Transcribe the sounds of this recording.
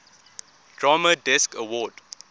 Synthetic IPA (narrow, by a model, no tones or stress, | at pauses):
d̥ɹamədɛskəwɔːd